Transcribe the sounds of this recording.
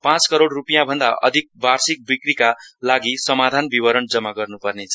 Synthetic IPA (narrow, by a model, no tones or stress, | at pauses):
pãt͡skʌɾoɽrupijãbʱʌnd̪aʔʌ̰d̪ʱik̚barsik̚bikrikalaɡisʌmad̪ʱanbiwʌɾʌnd͡zʌmːaɡʌrnupʌrnet͡sʰʌ